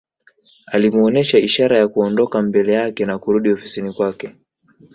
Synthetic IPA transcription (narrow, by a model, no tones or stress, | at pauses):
alimuɔnɛʃaiʃaɾajakuɔndɔkambɛlɛjakɛnakuɾuɗiɔfi̥sinikwakɛ